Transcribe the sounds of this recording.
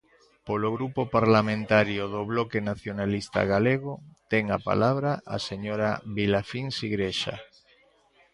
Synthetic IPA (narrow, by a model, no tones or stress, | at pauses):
poloɣɾupopaɾlamẽnt̪aɾjoðoβlokenaθjonalist̪a̰ɣaleɣot̪eŋapa̰laβɾaʔa̰seɲoɾaβilafinsiɣɾeʃa̰